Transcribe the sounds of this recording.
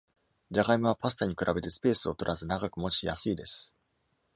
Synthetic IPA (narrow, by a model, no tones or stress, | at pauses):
d͡ʑaɡaimɯβ̞apasɨ̥t̪aɲ̟ikɯ̟ɾʔabe̞t̪e̞sɨ̥pe̞ːsɨo̞t̪o̞ɾʔazɨnaɡakɯ̟mot͡ɕijasɨid̪e̞sɨ̥